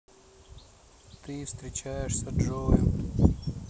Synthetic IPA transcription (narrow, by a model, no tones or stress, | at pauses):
t̪ɨfst̪ɾʲɪt͡ɕajɪʂsʲɐdʐojʊ